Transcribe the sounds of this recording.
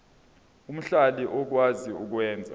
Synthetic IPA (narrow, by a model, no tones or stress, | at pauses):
um̩ɬaliʔɔk̬waziuk̬wɛːnd͡zʱa̰